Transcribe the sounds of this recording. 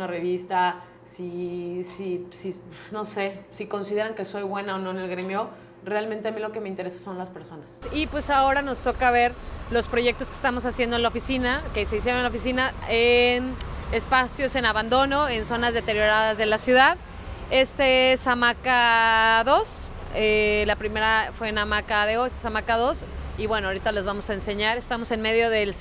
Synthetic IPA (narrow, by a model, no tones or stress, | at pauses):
nare̞βist̪a | sisisino̞se̞siko̞nsiðe̞ɾaŋke̞so̞jβwe̞naono̞ene̞lɣɾemjo̞ | realmẽnt̪e̞amilokemeint̪e̞ɾe̞sḁso̞nlaspe̞ɾso̞nasipwe̞sao̞ɾano̞st̪o̞kaβ̞e̞ɾlo̞spɾo̞ʝe̞k̚t̪o̞ske̥st̪amo̞sasje̞nd̪onlaofisinakese̞is̬je̞ɾonelaofis̬inaenespasjo̞se̞naβand̪o̞no̞e̞nso̞nazðe̞t̪e̞ɾjo̞ɾaðazðe̞lasjuðað | e̞st̪esamakaðo̞s | elapɾime̞ɾafwe̞namakaðeoest̪esamakaðo̞s | iβwe̞noaoɾit̪alo̞zβamo̞saense̞ɲaɾe̞st̪amo̞se̞nme̞ðjo̞ðe̞l